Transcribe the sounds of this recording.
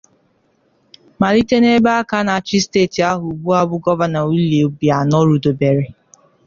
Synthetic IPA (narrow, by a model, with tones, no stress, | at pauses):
ma˨li˦te˦ne˦ba˦a˦ka˦na˨t͡ʃɪ˦steː˦˨ti˨a˦ɦʊ˨ɡ͡bu˦a˦bʊ˦ɡɔ˦va˦na˨i˦le˨o˨bi˨a˨nɔ˦ɾu˨do˨be˨ɾe˨